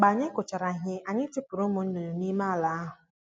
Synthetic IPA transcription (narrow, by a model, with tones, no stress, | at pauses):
ɡ͡ba˨ɲe˦kʊ˨t͡ʃa˨ɾa˨ɦɪ˦ʔa˨ɲɪ˦tu˦pʊ˨ɾʊ˦mʊ˨˦n̩˦nu˨ni˦ma˦a˨la˨˦a˦ɦʊ˨